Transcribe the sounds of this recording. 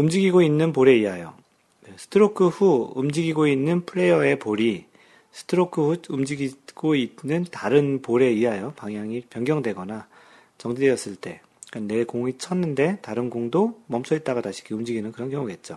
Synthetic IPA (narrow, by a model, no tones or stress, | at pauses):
ɯmd͡ʑiɡiɡoinːɯnpoɾe̞iajo̰ | sʰɯ̥tʰɯɾokʰɯɸuumd͡ʑiɡiɡoinːɯnpʰɯɾe̞jʌe̞poɾi | sʰɯ̥tʰɯɾokʰɯɸuumd͡ʑiɡiɡ̥oit̚nɯntaɾɯnpoɾe̞iajopaŋɦjaŋipjʌnɡjʌŋdwe̞ɡʌna | t͡ɕʌŋd͡ʑideʌs͈ɯɭt͈e̞ | kane̞koŋit͡ɕʰʌnːɯnde̞taɾɯnɡuŋdomʌmsʰʌit̚t͈aɣataɕʰi̥ɡiɯmd͡ʑiɡinɯnkɯɾʌnkjʌŋuɡe̞t̚t͡ɕ͈o